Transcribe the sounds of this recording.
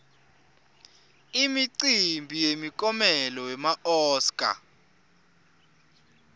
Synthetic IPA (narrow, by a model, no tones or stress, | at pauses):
imiǀimbʱijemikʼɔmɛlɔwɛmaʔɔːskʼa̰